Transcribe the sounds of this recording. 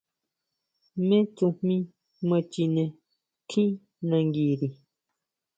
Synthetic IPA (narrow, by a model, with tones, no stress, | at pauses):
mẽ˦t͡sũ˧mmĩ˦ | mə̃˧t͡ʃi˧nẽ˨ | kʰĩ˦ | nã˧ŋɡi˨ɾi˨